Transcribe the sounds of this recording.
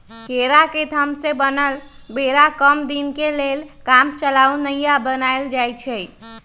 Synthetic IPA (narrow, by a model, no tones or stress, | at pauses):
keɾaked̪ʱəmsẽbənəl | beɾakəmd̪inkelelkamt͡ʃəlawnəjabənajld͡ʒajt͡ʃʰɛ